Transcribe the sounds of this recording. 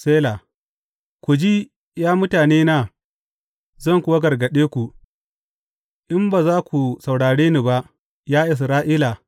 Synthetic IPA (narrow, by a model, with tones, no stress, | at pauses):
seː˦la˨ | kʷu˨d͡ʒi˦ | jaː˦mʊ˦taː˨neː˦naː˦ | zɐ˦˨ŋkʷʊ˦wa˦ɡɐ˨rɡɐ˨ɗeː˦kʷu˨ | ʔɪ˦mbaː˨zaː˦kʷu˨sa˨wɽaː˨ɽeː˦ni˨ba˦ʔ | jaː˦ʔɪ˨s̬ɾaː˦ʔiː˦la˨